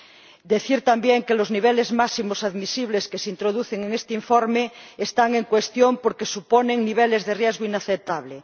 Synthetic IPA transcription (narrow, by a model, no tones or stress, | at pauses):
d̪eθiɾt̪ambjeŋkelozniβ̞elezmasimosaðmisiβleskesint̪ɾoðuθeŋeŋest̪eiɱfoɾmeest̪aŋeŋkwest̪jompoɾkesuponeŋniβ̞elezðerjezɣoinaθep̚t̪aβle